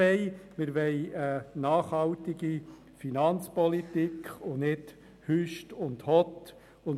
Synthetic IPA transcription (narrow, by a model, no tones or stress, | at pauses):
ɛɪmɪɾʋɛɪənɑːχhɑltiɡi | finɑnt͡spɔlit̪ikχʊnɪt | hyʃtʊndhɔt̪ | ʊn